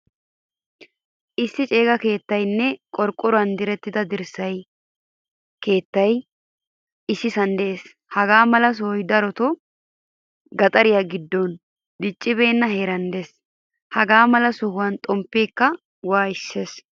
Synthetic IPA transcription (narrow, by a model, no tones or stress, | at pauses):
ʔɪsːɪt͡ʃʼe̞ːɡɐke̞ːt̪ːɐjnːɛkʼɔɾkʼːʊɾʊɐnd̪ɪɾɛt̪ːɪd̪ɐd̪ɪɾsɐj | ke̞ːt̪ːɐj | ɪsːɪsɐnd̪ɛeːs | hɐɡaːmɐlɐs̬ʊhɔjd̪ɐɾɔt̪ɔ | ɡɐt̪ʼɐɾɪjaɡɪd̪ːɔn | d̪ɪt͡ʃʼːɪbe̞ːnːɐɦe̞ːɾɐnd̪es | hɐɡaːmɐlɐsʊhʊwɐnt̪ʼɔmpːeːkːɐ | waːɪsːe̞ːs